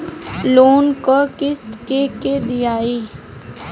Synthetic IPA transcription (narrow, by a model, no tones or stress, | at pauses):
loːnkokɪst̪keked̪ɪjaːeː